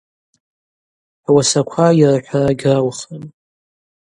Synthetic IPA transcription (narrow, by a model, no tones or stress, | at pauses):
wasakʷʰajrħʷᶣaraɡʲrawχən